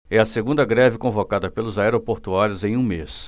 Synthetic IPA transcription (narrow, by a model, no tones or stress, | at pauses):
ɛɐseɡũnd̪ɐɡɾɛvɪkõvokad̪ɐpelʊzaɛɾopoɾt̪uaɾjʊzẽj̃ũmes